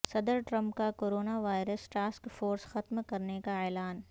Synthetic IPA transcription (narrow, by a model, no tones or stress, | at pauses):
sɐd̪əɾʈɾɐ̃mpkakoːɾoːnaʋaːɪɾəsʈaːskfoːɾsxɐt̪mkɐɾnekaɛːlaːn